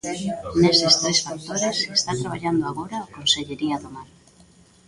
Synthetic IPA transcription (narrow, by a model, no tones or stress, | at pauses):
nesest̪ɾesfak̚t̪oɾesest̪ant̪ɾaβ̞aʎand̪oaɣoɾaokonseʎeɾiɐðomaɾ